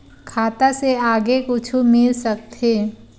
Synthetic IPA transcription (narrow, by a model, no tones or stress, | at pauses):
kʰaːt̪aseaːɡekʊt͡ʃʰumɪlsɐk̚t̪ʰeː